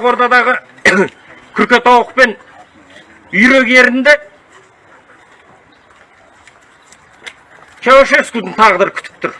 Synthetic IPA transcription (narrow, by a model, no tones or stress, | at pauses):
ʁwo̞ɾt̪ɑd̪ɑʁə | kʲʰʏɾkʲe̞t̪ʰɑwəq̚pe̞n | ʏjɾe̞ɡe̞ɾɪnd̪ɪ | t͡ʃʰɑwɑʃeskud̪əɴt̪ʰɑʁəd̪ɑɾkʲʰʏ̥t̪ɪ̥p̚t̪ʰʊɾ